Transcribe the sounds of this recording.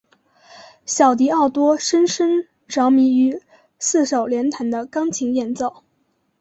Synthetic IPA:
ɕjɑ˨˩ʊt̪i˧˥ɑ˥˩ʊt̪wɔ˥ʂə˥nʂə˥ŋ | ʈ͡ʂɑ˧˥ʊmi˧˥y˧˥ | sɹ̩˥˩ʂo˨˩ʊljɛ˧˥nt̪ʰa˧˥nd̪ə˧kɑ˥ŋt͡ɕʰi˧˥ŋjɛ˧˥nt͡so˥˩ʊ

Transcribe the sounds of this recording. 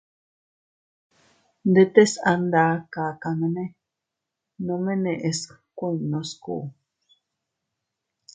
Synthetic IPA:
nd̪e˧t̪e˦sa˧nd̪a˧˦ka˨ka˧nẽ˧nẽ˦ | nõ˧mẽ˦nẽ˨ʔe˧s | kʷu˦i˨nõ˧skṵ˨

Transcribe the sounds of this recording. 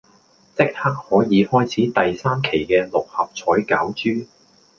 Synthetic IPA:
t͡sɪ˥k̚haː˥k̚hɔː˨˥jiː˨˧hɔː˥jt͡sʰiː˨˥t̪ɐ˨jsaː˥mkʰe˨˩jkɛː˧lʊ˨k̚hɐ˨p̚t͡sʰɔː˨˥jka̰ː˨˥wt͡ʃyː˥

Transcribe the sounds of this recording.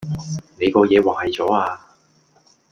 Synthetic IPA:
ne˨˧jkɔː˧jɛː˨˧waː˨hɐ˨jt͡sɔː˨˥aː˧

